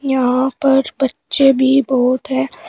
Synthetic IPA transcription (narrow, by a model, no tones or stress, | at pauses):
jɐɦɦãpɐɾbɐtːʃebʱibɔːt̪ɦɛ̃ː